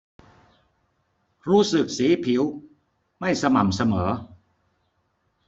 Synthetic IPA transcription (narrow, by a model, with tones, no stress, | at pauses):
ɾuː˦˥sɯ˨˩k̚siː˨˩˦pʰi˩˦w | ma˥˩jsa˧ma˨˩msa˧mɤː˩˦